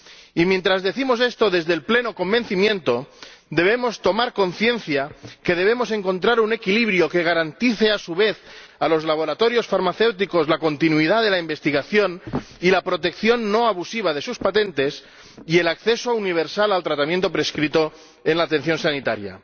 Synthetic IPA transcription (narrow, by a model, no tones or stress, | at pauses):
imje̞nt̪ɾazðe̞θimo̞se̞st̪o̞ðe̞zðelple̞no̞ko̞mbe̞nθimjẽ̞nt̪o̞d̪e̞β̞e̞mo̞st̪o̞maɾko̞nθje̞nθjake̞ð̞e̞β̞emo̞se̞ŋko̞nt̪ɾaɾune̞kiliβɾjo̞ke̞ɣ̞aɾant̪iθe̞asuβe̞θalo̞zlaβ̞o̞ɾat̪o̞ɾjo̞sfaɾmaθe̞wt̪iko̞zlako̞nt̪inuiðaðe̞laimbe̞st̪iɣaθjo̞nilapɾo̞t̪e̞kθjo̞nːo̞aβusiβ̞aðe̞suspat̪ẽ̞nt̪e̞s | ie̞lakθe̞souniβ̞e̞ɾsalalt̪ɾat̪amjent̪̬o̞pɾe̞skɾit̪o̞ | e̞nlaːt̪e̞n̟θjo̞nsanit̪aɾja̰